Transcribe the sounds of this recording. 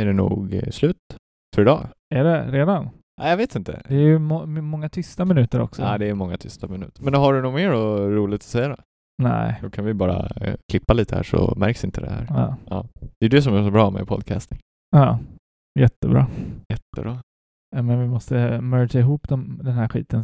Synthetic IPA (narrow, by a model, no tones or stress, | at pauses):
æɖɛnṵːɡslʉ̟ːt̪ | fœɾɪd̪ɑː | æɖɛɾeːd̪an | ʔæ̰javeːt̪ɪnt̪ə̰d̪ɛːɾjɵmɔmɔŋːat̪ʰʏst̪amɪnʉ̟ːt̪əɾɔ̰ksɔaːd̪ɛːjmɔŋːat̪ʰʏst̪amɪnʉ̟ːt̪əɾmɛnɦaɖɵnʊːmeːɾɔɾuːlɪɡ̚t̪ʰɔ̥sɛjːad̪ɛ̰ | næ̰ɪd̪ɔkʰanvɪbɑːɾa̰kʰlɪpːaliːt̪ʰəhæ̰ːʂɔ̰mæɾksɪnt̪ʰəd̪ɛ̰hæ̰ːɾɑːʔɑ̰ːd̪̥ɛjd̪ɵs̬ɔmæʂɔbɾɑːmɛ̰pʰɔ̰d̪kʰast̪ɪŋ | ɑː | jɛt̪ːəbɾɑ̰ːjɛt̪ːəbɾɑː | jameːnavɪmɔst̪əmœːɾd͡ʒaɪɦuːpd̪ɔmd̪ɛnɦæɾɧḭːt̪ən